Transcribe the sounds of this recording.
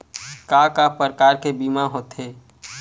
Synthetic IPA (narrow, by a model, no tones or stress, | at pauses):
kakapəɾəkaːɾkebimaɦoːt̪ɦeː